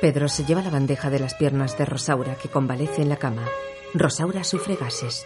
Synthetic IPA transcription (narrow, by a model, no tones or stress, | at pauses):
pe̞ðɾo̞se̞ʎe̞β̞alaβand̪e̞xaðe̞laspje̞ɾnazðe̞ro̞sawɾake̞ko̞mbale̞θeːnlakama | ro̞sawɾasufɾe̞ɣase̞s